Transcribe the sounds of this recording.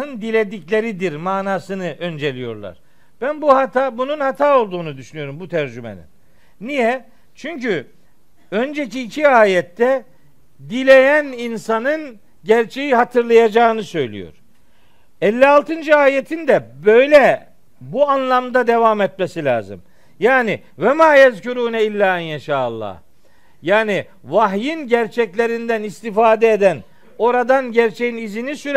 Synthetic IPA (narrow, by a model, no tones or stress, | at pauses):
ɯnd̪ilʲed̪iclʲe̞ɾid̪iɾmaːnaːsɯnɯʔø̞nd͡ʒe̞lʲijo̞̰ɾlˠa̰ɾ̥ | b̥ænbuhat̪abununhat̪ʰaːo̞lˠd̪uːnud̪yʃynyjo̞ɾumbut̪ʰæɾd͡ʒymḛnḭn | nːijɛ | t͡ʃʰyɲcy | ø̞nd͡ʒeciːcʰiaːjɛt̪ːɛ | d̪ilʲe̞jæninsanɯn | ɟæɾt͡ʃʰe̞jiɦat̪ʰɯɾlˠajad͡ʒaːɯnɯsø̞jlʲḭjo̞̰ɾ̥ | ɛlʲːialˠt̪ʰɯnd͡ʒɯaːjet̪ʰind̪ɛbøjlʲɛ | buanlˠamd̪ad̪e̞vamɛt̪̚mesilʲa̰ːzɯ̰m | jaːni | vɛmaːjɛzcuɾuːnɛilʲːaːnjɛʃaːlˠːɑ̰h | jaːni | vaɦjinɟæɾt͡ʃʰɛclʲe̞ɾind̪ænist̪ifaːd̪ɛed̪æn | o̞ɾad̪anɟæɾt͡ʃʰejinizinisyɾ